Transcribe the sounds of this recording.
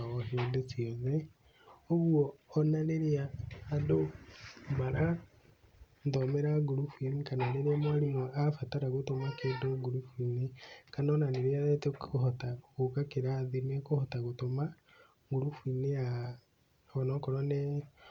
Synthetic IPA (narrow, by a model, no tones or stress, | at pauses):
ɔheodesiɔðɛ | oɣuɔːnaneɾeaːdo | maɾa | ndɔmeɾaɡuɾufuinikananeɾeamwaɾimoafataɾaɣotomakeːndoɡuɾufwinekanɔnaneɾeaðɛtekohɔtakokakeɾaðimɛkohɔtaɣotoma | ŋɡuɾufwinea | ɔnɔkɔɾane